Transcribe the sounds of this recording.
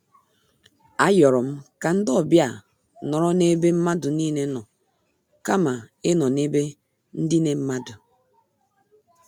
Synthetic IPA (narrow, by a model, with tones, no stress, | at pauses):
a˨jɔ˨ɾɔ˨m̩˦ka˨n̩˦dɔ˦˨bja˦˨ | nɔ˨ɾɔ˦ne˦be˦m̩˦ma˦du˨ni˦˨ne˨˦nɔ˨ | ka˦ma˨e˦nɔ˨ne˦be˦ | n̩˦di˦ne˨m̩˦ma˦du˨